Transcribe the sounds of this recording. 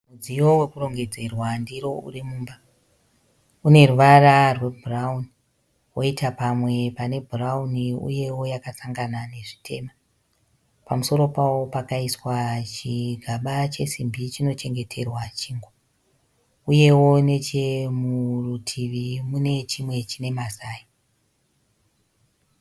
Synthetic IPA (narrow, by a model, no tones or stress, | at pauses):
mud͡zijo̞we̞kuro̞ŋɡe̞d͡ze̞rwandiɾo̞ṵrimuːmba | une̞ruʋararwe̞bʱurauni | woitapamwe̞pane̞bʱurauniṵje̞wo̞jakasaŋɡanane̞ʐitʰe̞̰ːma | pamuso̞ɾo̞pawo̞pakaiswat͡ʃiɡʱaɓat͡ʃe̞simbit͡ʃino̞t͡ʃe̞ŋɡe̞tʰe̞rwat͡ʃiːŋɡo | uje̞wo̞ne̞t͡ʃe̞murutʰiʋimune̞t͡ʃimwe̞t͡ʃine̞masaːji